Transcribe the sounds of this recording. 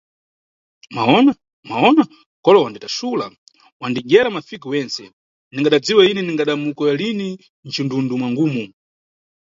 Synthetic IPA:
ma̰ɔna | maɔna | kɔlɔwanditasula̰ | wandiɡɛɾamafikiwɛnsɛ | niŋɡaɗad͡ziwainɛniŋɡaɗamukɔjalini | nt͡ʃindundumwaŋɡuːmu

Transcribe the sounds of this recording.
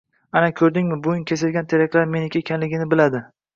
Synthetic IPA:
anakʲʰɵɾd̪ɪŋmɪbʊjɪnkʲʰe̞sɪɾɡʲant̪ʰeɾakʲʰlaɾmenɪkʲaekʲʰanlɪɡʲɪnɪbɪlad̪ɪ

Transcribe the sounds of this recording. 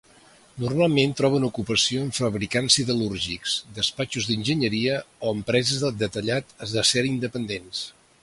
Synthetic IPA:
nurmalˠment̪ɾɔβ̞ənukupəsioəɱfəβɾikansiðəluɾʒiksd̪əspat͡ʃuzðinʲʒəɲəɾiəoəmpɾɛzəzðəlˠd̪ət̪əʎat̪əzðəseɾind̪əpənd̪ens

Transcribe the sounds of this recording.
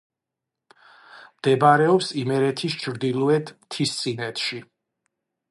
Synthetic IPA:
md̪̥ɛbaɾɛɔpsimɛɾɛt̪ʰist͡ʃʰɾd̪ilˠuɛt̪ʰmt̪ʰist̪sʼinɛt̪ʰʃi

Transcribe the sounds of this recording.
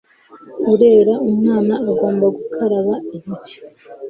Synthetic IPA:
uɾe̞ːɾaumŋaːnaːɡo̞ːmbaɡukʰaɾaɾaimiti̥

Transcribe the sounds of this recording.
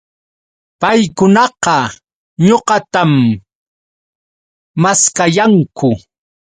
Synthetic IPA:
pajkʊnɑqɑ | ɲoqɑt̪am | askajaŋkʊ

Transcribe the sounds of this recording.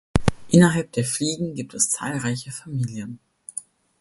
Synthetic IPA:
ʔɪnɐɦalp̚d̥eːɐfliːɡŋ̩ɡiːp̚tɛst͡sa̰ːlʁaɪçəfamiːljən

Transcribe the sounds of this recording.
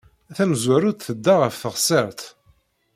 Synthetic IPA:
æθæmzwæɾuθəd̪ːaʁəfθəʁsəɾt̪

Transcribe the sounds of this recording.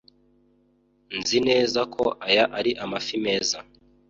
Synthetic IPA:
nzine̞ːzakʰo̞ʔajaʔaɾiʔamafime̞ːza

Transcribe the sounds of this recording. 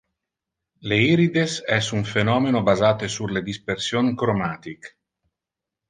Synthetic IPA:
leiɾid̪esɛsuɱfenɔːmenobazaːt̪esuled̪ispersjoŋkɾomaːt̪ik

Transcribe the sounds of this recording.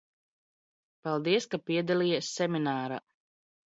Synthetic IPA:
palˠd̪iɛskapiɛd̪aliːjasːɛmʲinaːɾa̰

